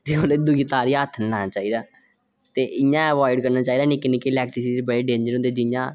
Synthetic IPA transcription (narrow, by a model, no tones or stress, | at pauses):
t̪eːoːled̪ʊɡit̪aːɾiːaət̪ʰːənlaːnãːt͡ʃaːiːd̪aː | t̪eːʔɪjãːəʋaːɪɖkəɾnaːt͡ʃaːiːd̪aːnĩːkɪnẽːkilɛːk̚ʈɾiːsiebəɽeːɖẽːɲd͡ʒəɾɦõːnd̪eːd͡ʒɪjãː